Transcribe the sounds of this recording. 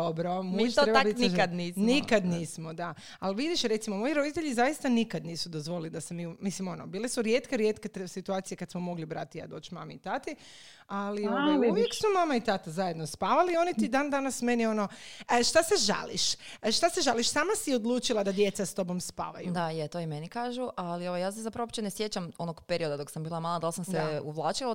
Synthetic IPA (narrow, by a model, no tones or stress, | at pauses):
obɾomuiʃoɾɾeb̪ainiad̪niːsnmnikad̪niːsmod̪a | alʋid̪iʃɾe̞t̪simomo̞jiɾo̞d̪it̪eʎizajist̪anikad̪niːsud̪ozʋolid̪asemiumislimo̞nobiːlˠesuɾjet̪keɾjeːt̪ket̪sit̪uaːt̪sijekad̪smomo̞ɡlibɾa̰t̪ija̰ːd̪o̞ːt͡ʃma̰miit̪at̪i | aliouʋjeksumamait̪at̪azaje̞d̪no̞spaʋalio̞nit̪id̪and̪anasme̞nio̞no̞əʃt̪aseʒa̰lḭʃ | ʃt̪aseʒaliʃsaːmasio̞d̪lˠuːt͡ʃilˠad̪ad̪je̞t̪sast̪o̞bo̞mspa̰ːʋa̰jud̪ajet̪oimenikaːʒuʔalioʋojaːs̬ezapɾaʋopt͡ʃenesjet͡ɕamonoɡpeɾiod̪ad̪o̞ksambiːlˠamalˠad̪alˠsamsd̪euʋlˠaːt͡ʃila